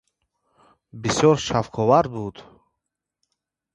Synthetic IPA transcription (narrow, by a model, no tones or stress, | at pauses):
bisjɔɾʃafkʰɔvaɾbud̪̥